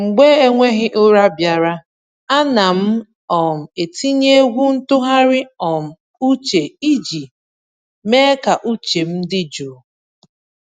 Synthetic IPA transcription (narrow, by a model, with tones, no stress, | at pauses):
ŋ͡m̩˨ɡ͡be˦e˦ŋʷe˦ɦɪ˦ʔʊ˦ɾa˦bja˨ɾa˦ | a˦na˨m̩˦ | ɔ˨m̩˨e˨ti˦ɲe˦e˦ɡʷu˦n̩˦tʊ˦ɦa˦ɾɪ˦ɔ˨m̩˨ | u˦t͡ʃe˨i˦d͡ʒi˨ | me˦ka˨ʔu˦t͡ʃe˨m̩˦dɪ˦d͡ʒo˨